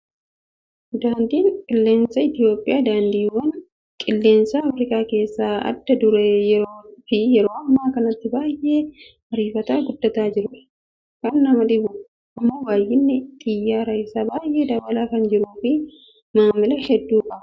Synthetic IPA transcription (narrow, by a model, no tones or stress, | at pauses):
d̪aːnd̪iːŋkʼɪlːe̞ːnsɐɪt̪ɪjo̞ːpʼːɪjaːd̪aːnd̪iːwɐn | kʼɪlːe̞ːnsɐɐfɾɪkʼaːke̞ːsːaːɐ̰d̪ːɐd̪ʊɾɛjɛɾoːfɪjɛɾo̞ːʔɐmːaːkɐnɐt̪ːɪbaːjʔːe̞ː | mɐɾiːfɐt̪aːɡʊd̪ːɐt̪aːd͡ʒɪɾʊᶑɐ̥ | kɐnːɐmɐᶑɪbʊ | ɐmːo̞ːbaːjɪnːɪt̪ʼɪjːaːɾɐjɪsaːbaːjʔe̞ːd̪ɐbɐlaːkɐnd͡ʒɪɾuːfɪ | maːmːɐlɐhɛd̪ːuːkʼɐ